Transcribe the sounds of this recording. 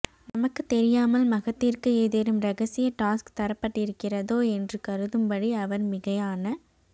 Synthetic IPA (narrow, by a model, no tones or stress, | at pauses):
nɐmɐkːɯt̪ɛɾɪjaːmɐlmɐɣɐt̪ːɪrkɯeːðeːɾɯmɾɐɣɐsɪjɐʈaːskt̪ɐɾɐpːɐʈːɪɾɯkːɪrɐðoːɛndrɯkɐɾɯðɯmpɐɽiɐʋɐɾmɪɣɐjaːnɐ